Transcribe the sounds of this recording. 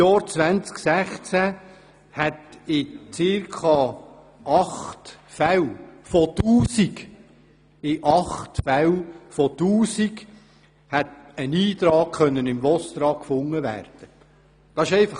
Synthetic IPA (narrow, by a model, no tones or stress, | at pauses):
jɑːɾt͡sʋænt͡sksæχt͡sæ | hɛtɪt͡sɪɾkʰɑ | ɑχtfæwfɔt̪uːsik | ɪʔɑχtfæwfɔt̪uːsik | hɛtəniːt̪ɾɑːkχœnːənɪmʋɔst̪ɾɑːkkfʊŋːəʋæ̰ːrd̥ə | d̥ɑsɪʃɛɪfɑ